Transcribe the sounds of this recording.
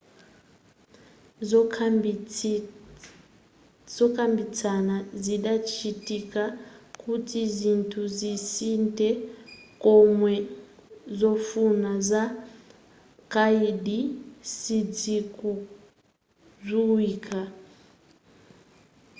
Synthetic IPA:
z | zɔkʼambit͡sanaziɗat͡ʃʰitikakʰʼutʰizʷintʰuzisintʼɛkʼɔmwɛ | zɔfunazʷa | kaiɗisid͡zikʼu | zʷiwiːkʰʼa

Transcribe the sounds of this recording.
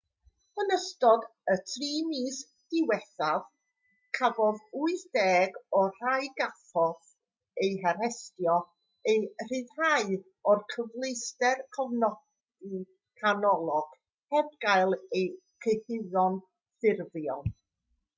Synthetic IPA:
b̥ənəstɔdətʰriːmiːs | d̥ɪwɛθað | kʰavɔðuɨθd̥ɛːɡɔr̥ajɡafɔθ | ejɦaɾɛstjɔ | ejr̥iːðraɨ | ɔrkʰəvlˠejstɛrkʰɔvnɔ | di | kʰanɔlˠɔɡ̥ | hɛbɡajlˠej | kʰəhɪðɔn | θɪrvjɔ̰n

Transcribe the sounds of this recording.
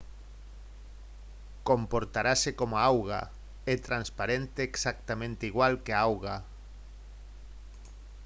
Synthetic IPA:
kompoɾt̪aɾasekomaawɣa̰ | ɛt̪ɾanspaɾent̪eːksak̚t̪amẽnt̪eiɣwalkeaawɣa

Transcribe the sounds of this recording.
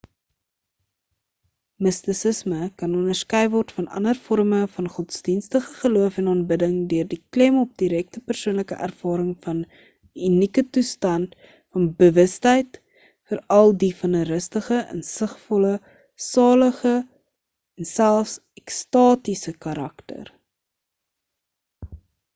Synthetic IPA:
məstəsəsməkɐnɔnərskœjvɔrtfɐnɐ̰nərfɔrməfɐnχɔtsdinstəχəχəluəfɛnɑːnbədəŋdøərdiklɛmɔp̚diɾɛk̚təpərsuənləkə̰ʔæ̰rfɑːɾəŋfɐn | ynikətustɐnt | fɐnbəvəstɛjt | fəɾɐlˠdifɐnəɾəstəχəʔə̰nsəχfɔlə | sɑːləχə | ɛnsælˠfs | ɛkstɑːtisəkɐɾɐktə̰r

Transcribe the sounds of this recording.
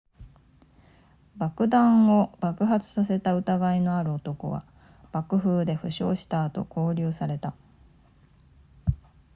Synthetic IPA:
bakɯ̟d̪ãɰo̞ɡ̥akɯ̟ɦat͡sɨ̥sase̞t̪aɯ̟t̪aɡaino̞aɾɯ̟ot̪o̞ko̞̰βa̰ | b̥akɯ̟ɸɯːd̪e̞ɸɯ̟ɕo̞̰ːɕi̥t̪aːt̪o̞̰kʰo̞ːɾʲɨːsaɾe̞t̪a

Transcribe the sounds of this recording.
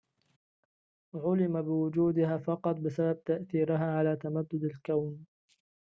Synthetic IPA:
ʕʊlɪmabɪwʊd͡ʒuːd̪ɪhaːfɑqɑt̪̚ˤbɪsabab̚t̪aʔθiːɾɪɦaːʕalaːt̪amad̪ːʊd̪alkawn

